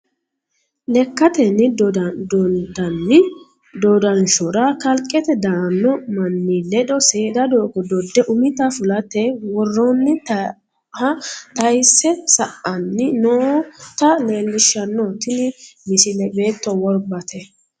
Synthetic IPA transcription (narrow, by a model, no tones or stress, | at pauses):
lɛkːɐt̪ɛnːɪ | d̪ɐnːɪ | d̪ɔd̪ɐnʃɔɾakɐlkʼːɛt̪ɛd̪ɐɐnːɔmɐnːilɛd̪ɔse̞ːd̪ɐd̪oːkɔd̪ɔd̪ːɛʔʊmɪt̪ɐfʊlɐt̪ːɛwɔrːɔnːɪt̪ | hɐt̪ɐjsːɛsɐʔɐnːɪnoːt̪ɐle̞ːlːɪʃːɐnːɔt̪ɪnɪmɪsɪlɛbe̞ːt̪ːɔwɔɾbɐt̪ʰɛ